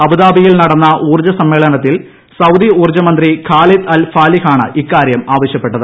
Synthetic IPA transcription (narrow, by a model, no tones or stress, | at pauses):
ɐbuðaːbijilnɐɽɐnːɐʔuːrd͡ʑɐsɐmːeːɭɐnɐt̪ːil | sɐwd̪iuːrd͡ʑɐmɐnd̪rikʰaːlit̪ɐlfaːlihaːɳɨ̰ʔikːaːɾjɐmaːʋɐɕjɐpːeʈːɐðɨ